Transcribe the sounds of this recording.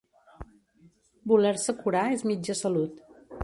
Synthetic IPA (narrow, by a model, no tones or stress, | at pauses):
bulɛɾsəkuɾaezmid͡ʒəsəlut̪